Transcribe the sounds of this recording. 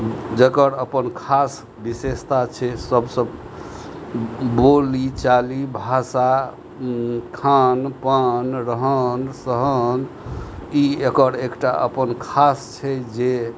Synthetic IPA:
d͡ʒəkəɾəpənkʰas | bisest̪at͡ʃʰɛsəbsəb | bolit͡ʃalibʱasa | kʰanpanɾəɦənsəɦən | iekəɾekʈa̰ʔə̰pənkʰast͡ʃʰɛd͡ʒe

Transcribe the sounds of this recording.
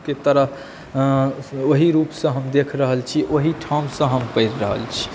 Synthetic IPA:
ket̪əɾə | oɦiɾupsə̃ɦəmd̪ekʰɾəɦəlt͡ʃʰiʔoɦiʈʰamsə̃ɦəmpəɪɾːəɦə̰lt͡ʃʰi̥

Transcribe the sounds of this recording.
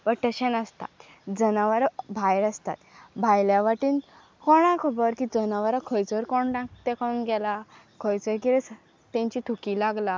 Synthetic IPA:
pəɾʈ̪əɕenəst̪a̰t̪ | d͡zənaʋəɾbʱajɾəst̪a̰t̪bʱajljaʋaʈiːn | kɔɽ̃akʰəbəɾkid͡zənaʋəɾakʰəjt͡səɾkɔɳʈãkt̪ekʰaunɡɛla | kʰəjt͡səɾkiɾes | t̪ẽɲt͡ɕit̪ʰukilaɡla

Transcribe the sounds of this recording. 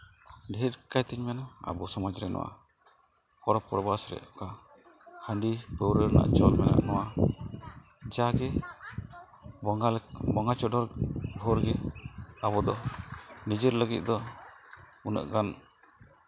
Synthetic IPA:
ɖɛɦɛt̪̚kajt̪ɛɲmɛnaa̰bɔsɔmɔd͡ʒɾɛnɔ̰wa̰ | kɔɾɔpɔɾbasɾɛ̰ʔɔka | həɳɖipəwɾəɾna̰ʔt͡ʃɔlmɛna̰ʔnɔwa | d͡ʒaɡɛ | bɔŋat͡ʃɔɖɔɾɡʱɔɾɡɛabɔd̪ɔnid͡ʒəɾləɡit̪̚ˀd̪ɔ | unə̰ʔɡan

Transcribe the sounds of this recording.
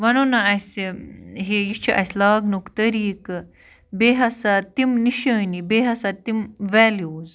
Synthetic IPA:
ʋɐnonɐɐsiɦejit͡ʃʰiʔɐ̰slaːɡnukt̪ɐɾiːk | beːɦɐsat̪imniʃɐnibeɦɐsɐt̪imʋɛːljuːz

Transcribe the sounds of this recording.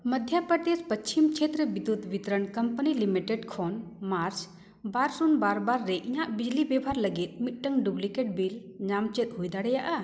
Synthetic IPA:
məd̪ʱjapɾəd̪espət͡ʃt͡ʃimt͡ʃʰet̪ɾəbid̪ut̪bit̪ɾənkəmpənilimiʈeɖkʰɔnmaɾt͡ʃ | baɾsunbaɾbaɾːɛʔiɲaʔbid͡ʒlibɛbʱaɾləɡit̪̚mit̪̚ʈəŋɖublikeʈ̚bilɲamt͡ʃɛt̪̚ˀɦujd̪aɽɛjaʔa

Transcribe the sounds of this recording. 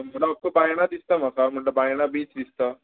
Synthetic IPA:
m̤əlaap̚kəbajɽ̃ad̪ist̪am̤akam̤əɳʈləbajɽ̃abiːt͡sd̪ist̪a

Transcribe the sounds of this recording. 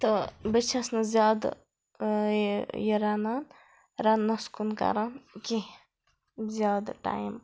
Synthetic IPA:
t̪obət͡ʃʰɐsnɐzjaːd̪ | jɐɾanan | ɾɐnːɐskunkɐ̰ɾanki | zjaːd̪ʈa̰ːim

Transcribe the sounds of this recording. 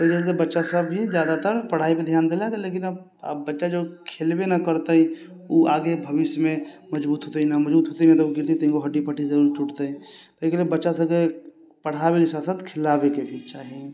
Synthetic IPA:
t̪oikest̪ebətːʃasəbːizjaːd̪at̪əɾpəɽ̤aːiped̪ʱjaːnd̪eleɡaleːkɪnəb̰ | bətːʃad͡ʒokʰelbenakəɾt̪aɦĩ | oʔaːɡebʱəʋɪʃjəmẽmɐd͡ʒbuːt̪ɦot̪einaməd͡ʒbuːt̪ɦoːt̪eiimet̪obɡɪɾt̪it̪oɦĩkoɦɐɖipʰəʈʰizɐɾuːɾt͡ʃuʈt̪eɦɛ̃ | t̪oikeliebətːʃasɐbke | pəɽ̤abelɪsaːsət̪kʰɪlabekebʱiɾt͡ʃaːɦĩ

